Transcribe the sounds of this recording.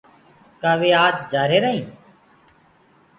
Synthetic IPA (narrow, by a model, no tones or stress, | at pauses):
kaːʋeːaːd͡ʒd͡ʒaːɾeːɾəɦĩː